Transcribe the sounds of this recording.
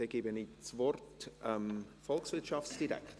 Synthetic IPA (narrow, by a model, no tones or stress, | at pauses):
ɛɡ̥ibənit͡svɔrtɛmfɔlksvɪɐtʃɑftsd̥iɾɛ̰kt